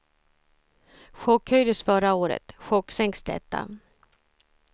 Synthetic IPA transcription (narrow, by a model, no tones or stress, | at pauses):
ɧɔkhœʏd̪əsfœɾaoːɾə̰t̪ɧɔkːsɛŋksd̪ɛ̰t̪ːa̰